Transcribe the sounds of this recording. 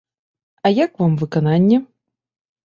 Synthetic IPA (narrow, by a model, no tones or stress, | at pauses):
ɐjakvamvɨkananʲːɛ